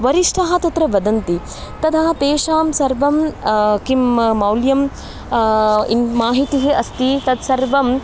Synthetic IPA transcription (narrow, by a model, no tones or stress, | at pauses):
ʋɐɾiʂʈʰɐɦɐ̆t̪ɐt̪ɾɐʋɐd̪ɐnt̪i | t̪ɐd̪ʰɐɦɐt̪eːʃaːmsɐɾʋɐmkimːɐwljɐm | ḭmaːɦit̪iɦiʔɐst̪it̪ɐd̪sɐɾʋɐm